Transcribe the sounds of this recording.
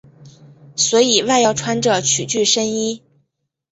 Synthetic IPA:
swɔ˧˥i˨˩wa˥˧ɪjɑ˥˩ʊʈ͡ʂʰwa˥nʈ͡ʂɤ˨˩t͡ɕʰy˨˩t͡ɕy˥˩ʂə˥ni˥

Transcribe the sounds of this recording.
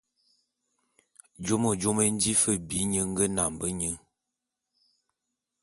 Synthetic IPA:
d͡ʒo˦mə˨d͡ʒo˦mə˦n̩˦di˦fə˦bi˨˦ɲə˦ŋ˦ɡə˦na˨mbə˦ɲə˦

